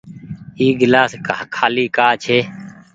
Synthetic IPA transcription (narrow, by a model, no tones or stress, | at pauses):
iːɡɪlaːskːkʰaːliːkaːt͡ʃʰeː